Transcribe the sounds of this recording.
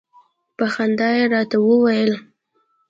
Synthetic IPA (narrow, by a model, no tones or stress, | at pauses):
paxand̪ɑjeɾɑt̪awəwajəl